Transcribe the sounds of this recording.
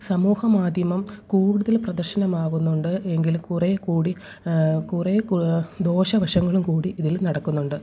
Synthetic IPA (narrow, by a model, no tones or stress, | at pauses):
sɐmuːhɐmaːd̪ʱjɐmɐmkuːɽɽuðɐlprɐd̪ɐrɕɐnɐmaːɣunːuɳɖɨʔe̞ŋɡilkurekuːɽi | kurekd̪o̞ːɕɐʋɐɕɐŋːɐɭumkuːɽiʔiðilnɐɽɐkːunːuɳɖɨ